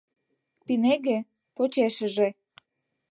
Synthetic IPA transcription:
pineɣĕ | pot͡ɕeʃə̆ʒĕ

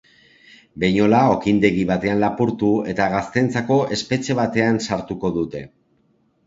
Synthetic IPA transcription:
be̞ɲo̞lao̞kind̪e̞ɣiβ̞at̪e̞anlapuɾt̪ue̞t̪aɣast̪e̞nt͡sako̞ʔe̞spe̞t͡ʃe̞β̞at̪e̞ansaɾt̪uko̞ðut̪e̞

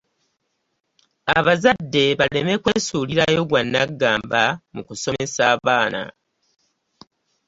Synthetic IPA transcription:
aβazadːe̞βale̞me̞kwe̞suːliɾajo̞ɡwanːaɡːaːmbamukuso̞me̞saːβaːna̰

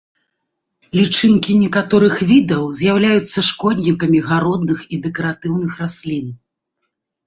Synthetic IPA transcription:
lʲit͡ʂɨnkʲinʲɛkat̪ɔɾɨxvʲid̪ɐwzʲjawlʲajut̪sːɐʂkɔd̪ʲnʲikɐmʲiɣaɾɔd̪nɨxid̪ɛkɐɾat̪ɨwnɨxrasʲlʲin

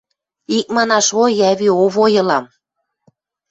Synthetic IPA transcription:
ik̚mɑnɑʃojæβioβojɤ̆lɑm

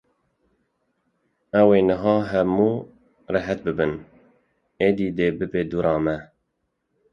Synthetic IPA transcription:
ɛweːnɨɦɑːɦɛmuː | rɛɦɛt̪̚bɨbɨn | eːd̪iːd̪eːbɨbeːd̪uɾɑːmɛ

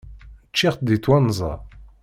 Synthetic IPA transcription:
t͡ʃːiʁt̪d̪it̪wanːzˤɑ̰

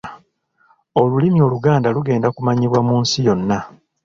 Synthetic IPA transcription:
o̞lulimio̞ːluɡaːndaluɡe̞ːndakumaɲiβwamuːnsijo̞nːa

